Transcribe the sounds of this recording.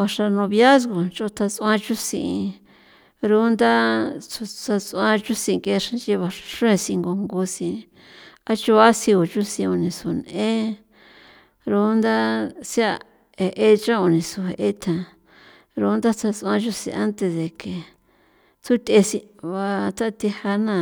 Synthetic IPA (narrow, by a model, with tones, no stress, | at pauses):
βa˧ʂa˧nõ˧βja˦s̬ɣo˨t͡ʃo˧t̪ʰa˧t͡sã˧t͡ʃu˦sḭ̃˧i˧ | ɾu˦nd̪a˦t͡su˧t͡sa˧t͡sã˧t͡ʃu˦sĩ˧ke˧ʂã˧t͡ʃi˧βa˧a˧ʂũ˦ẽ˧sĩ˧ŋɡo˧ŋɡu˧sĩ˧ | a˦t͡ʃu˧βa˦sĩ˧o˨t͡ʃu˦sĩ˧u˧nĩ˧su˨nẽ˦ | ɾu˦nd̪a˦sja˦˧ | e˨ʔe˦t͡ʃã˦o˧nĩ˨su˨ɦe˨˧ʔe˦t̪ʰã˨ | ɾu˧˦nd̪a˦t͡sʰa˧t͡sã˧t͡ʃu˦sḭ̃˧a˦nt̪e˧ðe˨ke˨ | t͡su˦t̪ʲe˧sĩ˧βa˧t̪ʰa˦t̪i˧ha˧nã˦˨